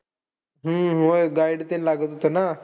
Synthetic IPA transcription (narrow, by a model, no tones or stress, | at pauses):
ɦə̃ɦojɡaiɖt̪enlaɡət̪ɦot̪əna